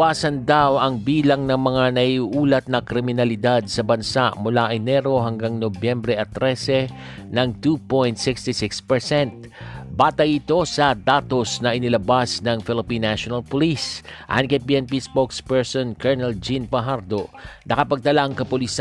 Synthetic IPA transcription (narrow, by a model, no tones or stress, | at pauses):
aːsɐnd̪awʔɐŋbiːlɐŋnɐŋmɐŋanɐiuʔuːlɐt̪̚nɐkɾɪmɪnɐlɪd̪ad̪̚sɐbɐnsaʔmʊlaʔɐɪnɛɾo̞ɦɐŋɡaŋnobjɛmbɾɛʔɐt̪ɾɛsɛ | nɐŋt̪upojnt̪sɪkst̪ɪsɪkspɛɹsɛnt̪̚ | baːt̪ɐjɪt̪o̞sɐd̪at̪o̞snɐʔɪnɪlɐbasnɐŋfɪlɪpinːaʃonɐlpʊlisʔa̰nkɐjpiːɛnpispokspɛɹsonkɛɹnɛld͡ʒinpɐɦaɾd̪onɐkɐpɐɡ̚t̪ɐlaʔɐŋkɐpʊlis